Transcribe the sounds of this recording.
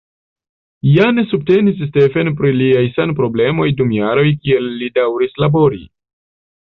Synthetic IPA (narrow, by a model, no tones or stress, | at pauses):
jane̞sub̚te̞nisːte̞fenp̬ɾiliajsanpɾo̞ble̞mo̞jdumjaɾo̞jkie̞lːidawɾislabo̞ɾi